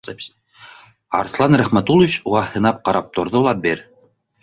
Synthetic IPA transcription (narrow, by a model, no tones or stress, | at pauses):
ɑ̰ɾθlˠɑnɾæχmæt̪ulˠvɪt͡ɕuʁɑhɤ̆nɑp̚qɑɾɑp̚t̪ŏɾðolˠɑbeɾ